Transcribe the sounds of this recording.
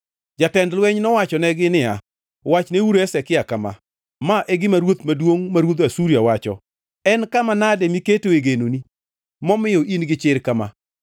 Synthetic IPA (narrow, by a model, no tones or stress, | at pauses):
d͡ʒatɛndlwɛɲnɔwat͡ʃɔnɛɡɪnɪa | wat͡ʃneuɾɛsɛkɪakama̰ | maʔeɡɪmaɾwot̪madwoŋmaɾwot̪asuɾjawat͡ʃɔ̰ | ɛnkamanadɛmiketoeɡenoni | mɔmɪjɔʔinɡɪt͡ʃɪɾkama